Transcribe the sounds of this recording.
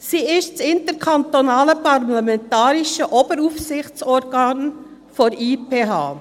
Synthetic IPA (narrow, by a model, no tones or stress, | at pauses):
siːɪstsɪntəɾkʰantonaːləpʰaɾlamɛntaːɾɪʃəʔoːbəɾuːfsɪçt͡sɔɾɡaːn | fɔɾʔiːpʰeːɦa̰ː